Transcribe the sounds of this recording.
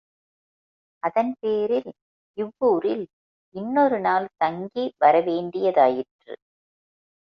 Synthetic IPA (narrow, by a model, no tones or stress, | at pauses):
ʔɐðɐnpeːɾɪl | ɪʋːuːɾɪl | ʔɪnːɔɾɯnaːlt̪ɐŋɡiʋɐɾɐʋeːɳɖɪjɐðaːjɪʈrɯ̰